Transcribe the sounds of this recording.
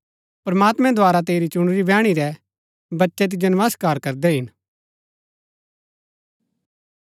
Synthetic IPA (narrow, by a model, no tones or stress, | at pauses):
pɾɐmaːt̪mɛ̃d̪ʱʋaːɾat̪̬eːɾit͡ʃʊɽ̃ɾibɛ̃ːɽ̃iɾɛ | bɐtːʃɛt̪̬id͡ʒɐnʋaskaːɾkɐɾd̪ɛɦɪn